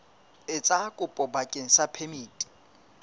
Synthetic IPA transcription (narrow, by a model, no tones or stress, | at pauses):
ɪt͡sʼakʼʊpʼɔbakʼeŋ̩sapʰemiːtʼi̥